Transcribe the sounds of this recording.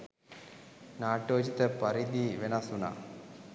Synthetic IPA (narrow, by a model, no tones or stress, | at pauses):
naːʈoːd͡ʒit̪əpɐɾid̪iʋenɐsuna̰